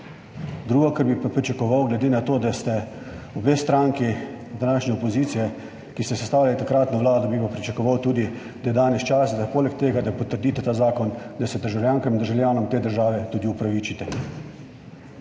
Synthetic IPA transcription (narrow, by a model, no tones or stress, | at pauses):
d̪ɾuːɡɔkɐɾbipapɾit͡ʃakɔʋawɡlɛd̪eːnat̪oːd̪ast̪ɛ | ubeːst̪ɾaːŋki | d̪anaːʃnɛɔpoziːt̪sijɛ | kist̪ɛsɛst̪aːwjʲalit̪akɾaːt̪nɔʋwlaːd̪ɔbipapɾit͡ʃakɔʋawt̪uːd̪i | d̪ajɛd̪aːnɛst͡ʃaːsad̪apoːlɛk̚t̪eːɡad̪apɔt̪əɾd̪iːt̪ɛt̪aːzaːkɔnd̪asɛd̪əɾʒawljaːŋkamind̪əɾʒawljaːnɔmt̪eːd̪əɾʒaːʋɛt̪uːd̪iupɾaʋiːt͡ʃit̪ɛ